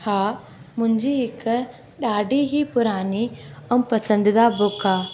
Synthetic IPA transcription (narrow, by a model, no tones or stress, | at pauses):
haː | mʊ̃ɦɪ̃ɲd͡ʑiːɦɪk | ɗaːɖʱiɦipʊɾaːniɛũpɐsə̃nd̪ɪd̪abʊkaː